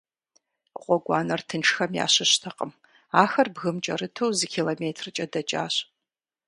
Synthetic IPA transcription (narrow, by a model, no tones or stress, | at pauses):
qʷʼɔɡʷɑːnɐrtʰɨnʈ͡ʂʰxɐmja̰ːɕɪɕtʰɐqʼəm | aːxɐrbɣɨmt͡ʃʼɐ̰rɨtʰowzɨkʲʰiːloːmeːtʰrɨt͡ʃʼɐdɐt͡ʃʼa̰ːɕ